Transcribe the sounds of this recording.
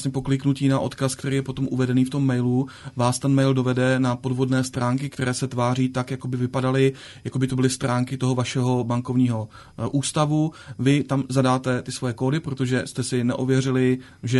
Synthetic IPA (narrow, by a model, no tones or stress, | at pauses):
sɲɛpo̞klɪknuciːnaʔo̞̰t̪kaskt̪ɛɾiːjɛpo̞t̪o̞mʔuvɛdɛniːft̪o̞mːɛjluvaːst̪ɛnmɛjldo̞vɛdɛnapo̞dvo̞dnɛːst̪ɾaːŋkɪk̚t̪ɛɾɛːsɛt̪vaːriːt̪akjako̞bɪvɪpadalɪ | jakobɪt̪o̞bɪlɪst̪ɾaːŋkɪt̪o̞ɦo̞vaʃɛɦo̞baŋko̞vɲiːɦo̞ | ʔuːst̪avuvɪt̪amzadaːt̪ɛt̪ɪsvo̞jɛkoːdɪpɾo̞t̪o̞ʒɛst̪ɛsɪnɛ̰ʔovjɛrɪlɪ | ʒɛ